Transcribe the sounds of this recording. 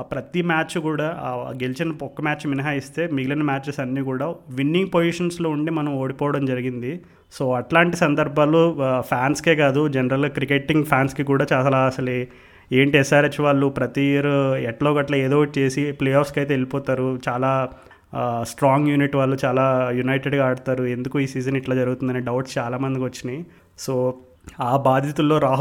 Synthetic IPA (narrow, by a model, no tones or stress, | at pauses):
pɾɐt̪imaːt͡ʃːkuːɽaːɡe̞lit͡ʃinɐɔkːɐmʲaːt͡ʃʋinɐɦaːist̪e̞ːmiɡilɐnmaːt͡ʃesɐnːiːkuːɽaːʋinːiŋɡ̚pod͡ʒiʂɐnslo̞ːuɳɖeːmɐnɐmo̞ːɽipɔːʋɐɽɐmd͡ʒɐɾiɡind̪i | so̞ːɐʈlaːɳʈisɐnd̪ɐɾbʱaːlopʰaːnskeːkaːd̪ud͡ʒɛnɐɾɐlɡaːkɾikeʈːiŋɡpʰjaːnskikuːɽaːt͡ʃaːɐlaːɐsɐle | e̞ːɳʈiɛsaːɾɐt͡ʃːʋaːɭːupɾɐt̪iɾɛʈloːkɐʈlɐe̞ːd̪oːt͡ʃe̞ːsiplejaːpskɐjt̪eːelipɔːt̪aːɾut͡ʃaːlaː | sʈɾaːŋɡjuːniʈːʋaːɭːut͡ʃaːlaːjunɐjʈeɖɡaːɽut̪aːɾue̞nd̪ukuiːsiːd͡ʒɐniʈlaːd͡ʒɐɾuɡut̪und̪ɐneːɖɐwʈst͡ʃaːlaːmɐnd̪ikiʋɐt͡ʃːini | so̞ː | aːbaːd̪ʱjit̪ulːo̞ːɾaːɦ